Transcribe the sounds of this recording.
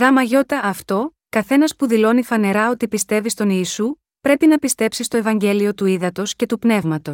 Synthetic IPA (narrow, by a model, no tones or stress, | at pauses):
ðɐmɐʝo̞t̪ɐːft̪o̞kɐθe̞nɐspuðilo̞nifɐne̞ɾɐo̞t̪ipist̪e̞vist̪o̞niːsu | pɾe̞pinɐpist̪e̞psist̪o̞e̞vɐɲɟe̞lio̞t̪uiðɐt̪o̞sce̞t̪upne̞vmɐt̪o̞